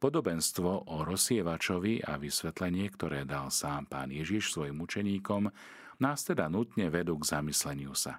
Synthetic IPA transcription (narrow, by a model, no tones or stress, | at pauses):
pɔd̪ɔbɛnst̪ʋɔʔɔɾɔsɪɛʋat͡ʃɔʋia̰ʋisʋɛt̪lɛɲɪɛkt̪ɔɾɛːd̪alsaːmpa̰ːnjɛʒiʃsʋɔjimut͡ʃɛɲiːkɔm | naːst̪ɛd̪anut̪ɲɛʋɛd̪uːɡzamislɛɲɪusa̰